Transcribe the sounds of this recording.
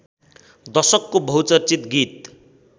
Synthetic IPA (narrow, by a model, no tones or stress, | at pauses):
d̪ʌsʌkːobʱʌwt͡sʌrt͡sit̪ɡit̪